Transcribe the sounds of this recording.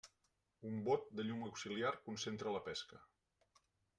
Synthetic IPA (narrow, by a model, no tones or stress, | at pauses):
umbot̪̚d̪əʎuməwksiliarkunsent̪ɾələpɛskə